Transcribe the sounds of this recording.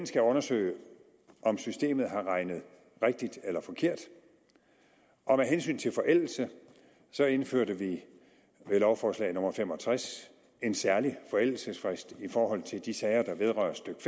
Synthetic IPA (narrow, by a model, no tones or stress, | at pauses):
nsɡ̥æɔ̽nɐsø̰ɪ | ʔɒ̽msysd̥e̝̰ːmð̞̩ˠɦɑ̈ʁɑ̈ɪnəð̞ˠ | ʁeɡ̥̚d̥id̥elɐfɒ̽kʰe̝ɐ̰d̥ | ʔɒ̽meɦensy̰ːnt͡sʰe̝lfɒ̽ʔel̰l̩sə | sɒ̽e̝nføɐ̰ɾəʋi | ʋelɒʊfɒːslɛ̰ɪno̽mɐfem̰ɒ̽t͡sʰʁas | e̝nsæɐlifɒ̽el̰l̩səsfʁɛsd̥ifɒːɦɒ̽l̰t͡sʰe̝ld̥isɛɪɐd̥ɑ̈ʋe̝ð̞ˠʁɶɐsd̥øɡ̥f